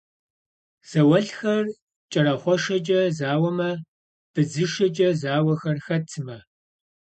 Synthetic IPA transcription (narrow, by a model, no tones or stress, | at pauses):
z̥ɐwɐɬxɐr | t͡ʃʼɐɾɐχʷɔʂɐd͡ʒʼɐzaːwɐmɐ | b̥ɨzɨʃɐd͡ʒʼɐzaːwɐxɐrxɐtʰɨmɐ